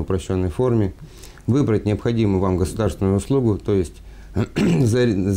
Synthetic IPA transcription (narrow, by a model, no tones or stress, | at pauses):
ʊpɾɐɕːo̞nːəjfo̞rmʲɪ | vɨbɾət̚ʲnʲɪəpxɐdʲimʊvamɡəsʊd̪arst̪vʲɪnʊjʊʊslˠuɡʊt̪o̞jɪsʲtʲ | z